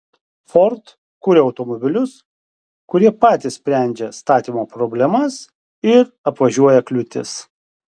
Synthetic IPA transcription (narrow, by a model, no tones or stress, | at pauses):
fɔɾt̪ | kuːɾʲeɒʊt̪ɔmɔbʲɪlʲʊs | kʊɾʲiɛpɑːt̪ʲɪssʲpʲɾʲæˑnʲd͡ʒʲɛst̪ɑːt̪ʲimoːpɾɔbʲlʲɛmɐs | ɪɾ | ɐpʋɐʒʲuɔjɛklʲʊt̪ʲɪ̰s